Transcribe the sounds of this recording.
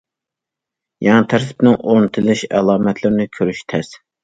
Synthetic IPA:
jɛŋɑt̪ʰæɾt̪ʰɪ̥pnɪŋʔoɾnɨt̪ʰɨlˠɨʃɛ̰lˠɑːmɛt̪ʰlɪɾnɪkʲʰøɾyʃt̪ʰɛs

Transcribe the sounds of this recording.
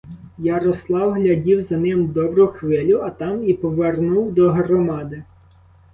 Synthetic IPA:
jaɾɔslˠɑwɦlʲɐdʲiwzɐnɪmd̪ɔbɾʊxʋɪlʲʊɐt̪ɑmipɔʋernuwd̪ɔɦrɔmɑd̪ɪ

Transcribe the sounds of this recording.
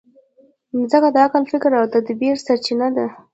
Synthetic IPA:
zəkad̪əakɑlfɪkɾawd̪əd̪əbeɾsaɾt͡ʃinad̪a

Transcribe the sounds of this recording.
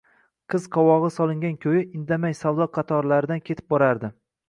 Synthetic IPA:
qʰɨz̥qʰɒwɒʁɨsɒlˠɪŋɡʲankʲʰɵjɪʔɪnd̪amajsawd̪ɒqʰɑt̪ʰɒɾlaɾɪd̪ankʲʰet̪ʰɪp̚bɒɾaɾd̪ɪ

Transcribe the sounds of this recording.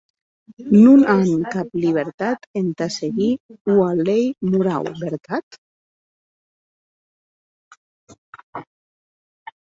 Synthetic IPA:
nunaŋkapliβ̞eɾt̪at̪ent̪aseɣiualejmuɾa̰wbeɾt̪at̪

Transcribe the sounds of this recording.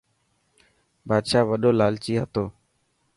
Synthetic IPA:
baːd̪ʃaːʋəɗoːlaːlt͡ʃiːɦət̪oː

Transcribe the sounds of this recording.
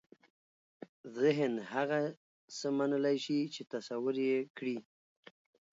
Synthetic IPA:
zɪɦnhaɣa | səmanəlajʃit͡ʃet̪asawʊɾjekɽi

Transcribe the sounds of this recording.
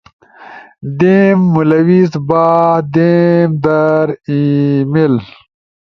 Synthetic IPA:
d̪emːulɐwizbaːd̪emd̪ɐɾimel

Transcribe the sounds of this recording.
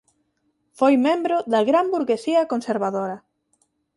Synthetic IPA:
fojmẽmbɾoðɐɣɾambuɾɣesiɐkonseɾβaðoɾɐ

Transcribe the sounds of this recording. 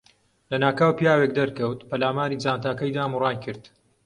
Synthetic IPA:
lɐnaːkaːwpijaːwek̚d̪ɐɾkɐwt̪pɐlaːmaːɾiːd͡zaːnt̪aːkɐjd̪aːmurɑːjkʰɨɾd̪̥

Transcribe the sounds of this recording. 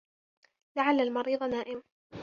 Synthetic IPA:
laʕalːalmɑɾiːðˤnaːʔɪm

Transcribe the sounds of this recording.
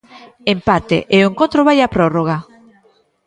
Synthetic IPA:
empat̪ḛʔeoeŋkõnt̪ɾoβajapɾoroɣ̞a

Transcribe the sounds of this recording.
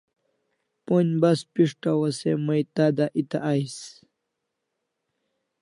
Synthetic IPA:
ponbaspiʂʈawɐsemɐjt̪aːd̪aʔit̪a̰ʔajs

